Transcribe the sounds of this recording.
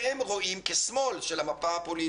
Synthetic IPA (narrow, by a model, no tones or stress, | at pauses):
emʁo̞imkessmo̞lʃelamapaapo̞li